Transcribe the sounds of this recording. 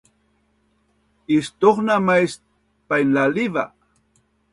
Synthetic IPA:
ist̪oχnamajs | pajnlaliva̰

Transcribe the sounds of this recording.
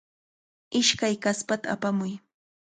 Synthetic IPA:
ɪʃkajkaspat̪aːpamʊj

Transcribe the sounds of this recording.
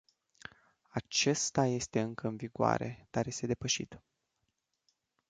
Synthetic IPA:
at͡ʃe̞st̪aje̞st̪e̞ɨŋkəɨnviɡoa̰ɾe̞̰d̪̥arje̞st̪e̞d̪e̞pəʃḭt̪

